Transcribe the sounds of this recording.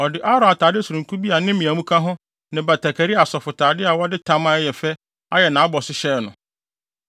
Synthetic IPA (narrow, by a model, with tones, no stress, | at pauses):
ɔ˨dɪ˨ʔa˦ɾã˨a˨tʰaː˨dɪ˦su˨ɾũ˨kʰu˦bi˦a˨nɪ̃˦mĩ˨a˨mũ˦kʰa˦ɦʊ̃˦ | nɪ̃˨ba˨tʰa˨kʰɛ˨ɾi˦a˨sɔ˨fʊ˨tʰaː˨dɪ˦a˨wɔ˦dɪ˦tʰã˦mã˦jɛ˨fɛ˦ | a˦jɛ˨nã˨a˦bɔ˨sɪ˦ɕɛ˦˨nʊ̃˨